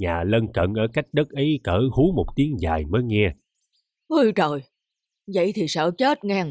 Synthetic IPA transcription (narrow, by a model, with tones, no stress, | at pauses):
ɲaː˨˩lə˧nkə˧˩nʔəː˧˩ka˦˥jk̟̚ɗə˦˥t̚ʔə˨˦jkəː˧˩hu˨˦mo˨˩k͡p̚t̪i˨˦əŋzaː˨˩jməː˨˦jŋɛ˧ə | ʔu˧t͡ɕo˨˩j | zə̰˧˨jt̪ʰi˨˩səː˧˩wt͡ɕə˦˥t̚ŋa˧ŋ